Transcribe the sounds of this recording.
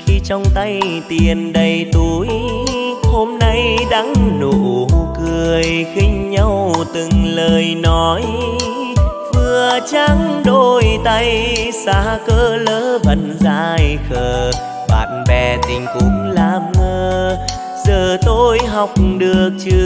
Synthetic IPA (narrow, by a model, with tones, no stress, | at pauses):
xi˧t͡ɕɔ˧wŋ͡mt̪a˧jt̪i˨˩ənɗə˧˩jt̪u˨˦j | ho˧mna˧jɗaː˧˥ŋnu˧˨˩kɨ˨˩əəjxï˧ŋ̟ɲa˧wt̪ɨ˨˩ŋləː˨˩jnɔ˨˦j | vɨ˧˩ət͡ɕa˧ŋɗo˧˩jt̪a˧jsaː˧˦kəː˧ləː˨˦və˨˩nzaː˧jxəː˧˩ | ɓa̰ː˨˩n̚nɓɛ˧˩t̪ï˨˩ŋ̟kʊ̰˨˧˦ŋ͡mlaː˧˨˩mŋəː˧ | zəː˧˩t̪o˧jɦɔ˨˩wk͡p̚ɗɨ˨˩ək̚t͡ɕɨ˧